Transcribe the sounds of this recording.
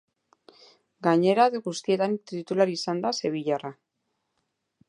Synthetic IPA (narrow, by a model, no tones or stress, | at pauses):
ɡaɲe̞ɾaðeɣust̪ie̞t̪anit̪it̪ulaɾisand̪ase̞βiʎara